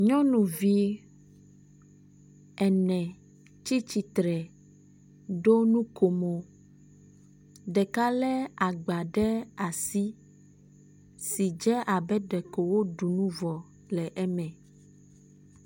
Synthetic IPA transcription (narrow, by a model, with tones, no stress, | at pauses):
ɲɔ̃˦nũ˨vi˦ | ɛ˨nɛ̃˨ | t͡ʃi˦t͡ɕi˨t̪ɾɛ˨ | ɖo˦nũ˦ko˨mo˨ | ɖɛ˨ka˦lɛ˦a˨ɡ͡ba˨ɖɛ˦a˨si˦ | si˨d͡ʒɛ˦ʔa˨bɛ˦ɖɛ˨ko˨wo˦ɖu˨nũ˦vɔ˨ | lɛ˨ʔɛ˦mɛ̃˨